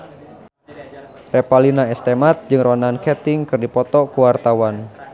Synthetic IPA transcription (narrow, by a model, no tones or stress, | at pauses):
rɛpalinaɛst̪emat̪̚d͡ʒɨŋrɔnankɛt̪ɪŋkɨrdipɔt̪ɔkuwart̪awan